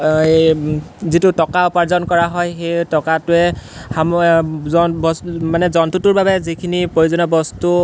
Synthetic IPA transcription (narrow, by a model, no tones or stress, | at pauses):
zitutɔkaʊpaɹzɔnkɔɹaɦɔjxejtɔkatʊɛhamɔnbɔsmanɛzɔntutʊɹbabɛzikʰinipɹojuzɔnɔbɔstu